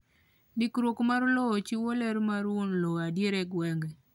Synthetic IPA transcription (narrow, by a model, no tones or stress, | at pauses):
dikɾwokmaɾlɔt͡ʃiwolɛɾmaɾwonlɔadjeɾɛɡwɛŋɡɛ